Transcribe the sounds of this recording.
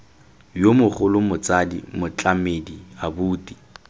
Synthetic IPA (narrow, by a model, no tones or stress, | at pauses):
jomʊχʊlʊmʊt͡sʼadḭmʊt͡ɬʼamediabuːtʼi̥